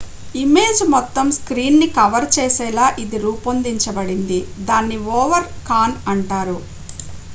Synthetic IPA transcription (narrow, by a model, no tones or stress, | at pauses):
ime̞ːd͡ʒmɔt̪ːɐmskɾiːnnikɐʋɐɾt͡ʃɛːsɛːlaːʔid̪iɾuːpond̪iɲt͡ʃɐbɐɽind̪id̪aːnːiʋɔːʋɐɾkaːnɐɳʈaːɾu